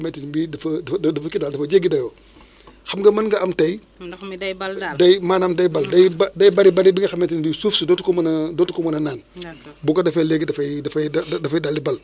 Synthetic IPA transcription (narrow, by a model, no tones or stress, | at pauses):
mɛtinbidfɐdɐfɐkidaldɐfɐd͡ʒeɡidɐjo | xɐmɡɐmɐnɡɐɐmtɐj | dɐjmaːnamdɐjbɐldɐjbdɐjbaɾibɐɾibiŋɡɐxɐmɛtinbisufsudɔtukomndɔtukɔmɐnɐnaːnbukodɐfeleɡidɐfɐjdɐfdɐfɐjdalːibɐl